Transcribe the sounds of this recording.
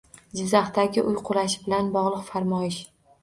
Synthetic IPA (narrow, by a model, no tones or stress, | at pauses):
d͡ʒɪzaχt̪aɡʲɪʔʊjqʰʊlaʃɪbɪlanbɒʁlˠɨqfaɾmɒjɪʃ